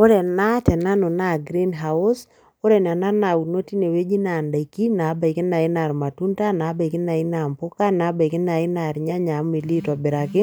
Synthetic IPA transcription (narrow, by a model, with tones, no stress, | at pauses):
o˦ɾɛ˨na˦tɛ˨na˦no˨na˦˨ɡɾi˦nɦa˨ʊ˦s | o˦ɾɛ˨n˨a˨na˦na˨wu˨no˦ti˦ne˨we˦d͡ʒi˦na˨nda˨i˨ki˦na˨˦ba˨i˨kɪ˦na˨ɪ˦na˨ɾma˨tu˦nta˦na˨˦ba˨i˨kɪ˦na˨ɪ˦na˨mpʊ˦ka˦na˨˦ba˨jkɪ˦na˨ɪ˦na˨ɾɲa˦ɲa˨˦m˦i˨li˦twa˨bɪ˨ɾa˨kɪ˦